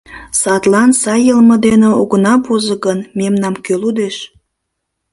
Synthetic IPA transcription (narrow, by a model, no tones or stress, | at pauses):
sɑt̪lɑnsɑjəlmə̆d̪eneoɣənɑbozəɣənmemnɑmkølud̪eʃ